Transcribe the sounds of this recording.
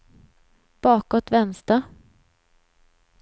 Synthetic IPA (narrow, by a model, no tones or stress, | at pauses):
b̥ɑːkɔt̪vɛnst̪a